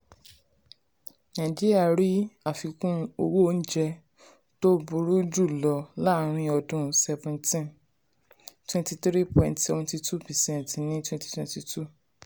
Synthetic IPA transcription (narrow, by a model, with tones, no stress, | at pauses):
nã˨d͡ʒi˦ɾi˦a˦˨ɾi˦a˨fi˧kũ˦o˧wo˦o˦n̩˦d͡ʒɛ˧ | to˦bu˨˧ɾu˦d͡ʒu˦˨lɔ˨˦la˦ɾ̃ĩ˧ɔ˧dũ˦sɛ˧vɛ̃˨ntĩ˦n | twɛ̃˦nti˧tɾi˦pɔ̃˨nto˧ũ˧ti˧tu˦pɛ˨sɛ̃˦˨ntnĩ˦twɛ̃˦nti̥˧˦twɛ̃˧nti˧tu˦